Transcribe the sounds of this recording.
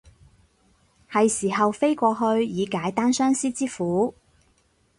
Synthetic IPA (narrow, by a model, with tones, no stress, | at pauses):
hɐ˨jsiː˨˩ɦɐ˨wfe˥jkʷɔː˧ɦɵ˧ɥjiː˨˧kaː˨˥jt̪aː˥nsœː˥ŋsiː˥t͡siː˥fuː˨˥